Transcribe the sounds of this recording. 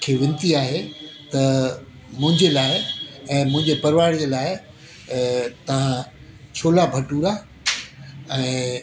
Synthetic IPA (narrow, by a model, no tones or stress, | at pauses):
kʰeːʋɪ̃nɪ̆t̪iaːɦet̪ɐ | mʊ̃ɦɪ̃ɲd͡ʑelaːɪɛ̃ːmʊ̃ɦɪ̃ɲd͡ʑepɐɾʋaːɽd͡ʑelaːɪ | t̪ɐʋ̤ã | t͡ɕʰoːlabʱɐʈuːɾa | ɛ̃ː